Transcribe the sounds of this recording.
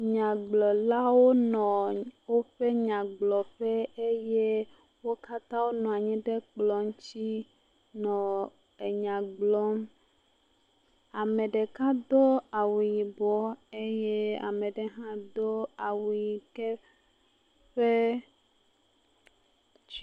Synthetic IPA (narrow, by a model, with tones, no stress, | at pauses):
ɲã˨ɡ͡blɔ˨la˦wo˦nɔ̃˨wo˦ɸe˦ɲã˨ɡ͡blɔ˨ɸɛ˦e˦je˦ | wo˦ka˦t̪ã˦wo˦nɔ̃˨a˨ɲĩ˦ɖe˦k͡plɔ˨ŋ˦t͡ɕi˦ | nɔ̃˨ | e˨ɲã˨ɡ͡blɔ˦m | a˨mẽ˨ɖe˨kã˦d̪o˦a˨wu˨ji˨bɔ˦e˦je˦a̰˨mẽ˨ɖe˨ɦã˦d̪o˦a˨wu˨ji˨kɛ˦ | ɸe˦